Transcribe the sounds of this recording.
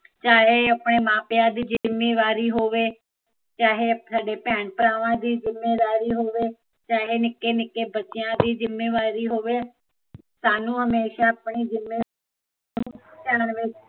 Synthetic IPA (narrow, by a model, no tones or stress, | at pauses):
t͡ʃaːɦeːəpɳeːmãːpɪjãːd̪iːd͡ʒɪmːeːʋaːɾiːɦoːʋeː | t͡ʃaːɦeːsaːɖeːpɛːɳpəɾaːʋãːd̪iːzɪmːeːd̪aːɾiːɦoːʋeː | t͡ʃaːɦeːnɪkːeːnɪkːeːbətːt͡ʃɪjãːd̪iːd͡ʒɪmːeːʋaːɾiːɦoːʋeː | saːnũːɦəmeːʃaːpɳiːzɪmːeː | t͡ʃɛːɽənʋeːt͡ʃ